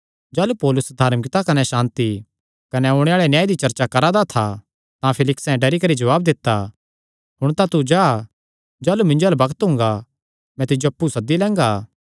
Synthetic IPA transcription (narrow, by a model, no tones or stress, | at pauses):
d͡ʒaːlupɔːlʊsd̪ʱaːɾmɪkt̪akɐnɛʃãːnt̪i | kɐnɛʊɽ̃eaːɭenjaːjd̪it͡ʃɐɾt͡ʃakɐɾad̪at̪ʰa | t̪ãpʰɪlɪksɛ̃ɖɐɾikɐɾid͡ʒɐʋaːb̚d̪ɪt̪ːa | ɦʊɽ̃t̪ãt̪ud͡ʒaː | d͡ʒaːlumɪ̃nd͡ʒolabɐkət̪ɦʊ̃ːŋɡa | mɛ̃t̪ɪd͡ʒoɐpːusɐd̪ːilɛ̃ːŋɡaː